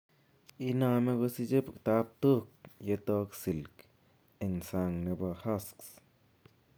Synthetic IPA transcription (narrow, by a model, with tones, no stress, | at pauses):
i˧˦na˦˧me˦ɡo˧si˦d͡ʒe˦pkt̪a˧˦p̚t̪u˦k̚je˧t̪o˧˦ksi˨lk | e˨ŋsa˧ŋne˧ba˧xa˦sks